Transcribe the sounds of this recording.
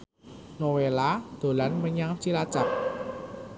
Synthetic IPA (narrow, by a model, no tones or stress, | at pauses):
nowelad̪̥o̤lanməɲaŋt͡ʃilḁt͡ʃak̚